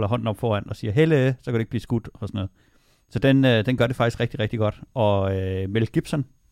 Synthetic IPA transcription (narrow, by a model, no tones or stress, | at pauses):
lɐɦɒ̽n̰n̩ɒ̽b̥fɒːænɒ̽siːɐɦelesɒ̽kæɾe̝eɡ̥̚b̥liːsɡ̥ud̥ɒsɒnɔːð̩ˠ | sɒ̽d̥enød̥enɡ̥ɶɐɾ̥e̝fɑɡ̥isɡ̥ʁeɡ̥d̥iʁɛɡ̥d̥iɡ̥ɒ̽d̥ʔɒ̽ømelɡ̥ib̥sɒn